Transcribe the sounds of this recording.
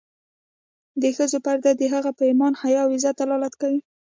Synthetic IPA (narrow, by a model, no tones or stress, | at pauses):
d̪əxəzopaɾd̪ad̪əɦaɣapajmɑnhajɑwɪzat̪alɑlat̪kawi